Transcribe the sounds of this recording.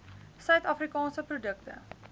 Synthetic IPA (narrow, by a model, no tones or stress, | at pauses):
sœɥt̪afɾikɑːnsəprodək̚tə̰